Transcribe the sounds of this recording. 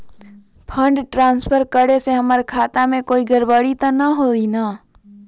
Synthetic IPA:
pʰə̃ɳɖʈɾãːnspʰəɾkəɽeseɦəmaɾkʰaːt̪amẽkoːiɡəɾbəɽit̪anəɦoinaː

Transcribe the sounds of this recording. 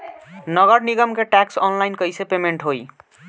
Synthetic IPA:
nʌɡʌɾniɡʌmkeʈaksɔnlajnkʌjsepemeɳʈɦoj

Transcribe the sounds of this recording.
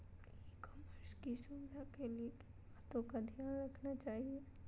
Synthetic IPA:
ikoməɾskisʊʋɪd̪ʱakeliek | aːt̪õkad̪ʱijaːnɾɐkʰnat͡ʃaːɦie

